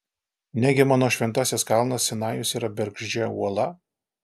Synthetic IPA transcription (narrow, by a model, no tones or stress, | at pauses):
nʲɛɡʲɪmɑːnoːʃʲʋʲɛnt̪ɑːsʲɛskɑˑlˠnɐssʲɛnɑːjʊsiːɾɐbʲɛɾɡʒʲd͡ʒʲɛṵɔlˠɐ